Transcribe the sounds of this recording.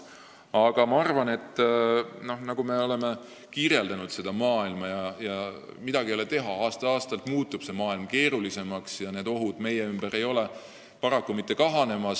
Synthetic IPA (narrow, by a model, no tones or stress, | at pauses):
ɑɡ̥ɑmɑɑrvɑne̞t̪ːno̞nɑɡ̥ume̞o̞le̞me̞ | kiːɾje̞ld̪̥ɑnud̪̥se̞d̪ɑmɑːilmɑjɑjɑmid̪̥ɑɡ̥ijɑlet̪e̞ɦɑɑːst̪ɑɑːst̪ɑlt̪muːt̪ːˑub̥se̞mɑːilmke̞ːɾulise̞mɑksjɑne̞ːd̪o̞ɦud̪̥me̞jeymbeɾe̞jo̞le̞ | pɑɾɑkːumit̪ːˑe̞kɑɦɑne̞mɑs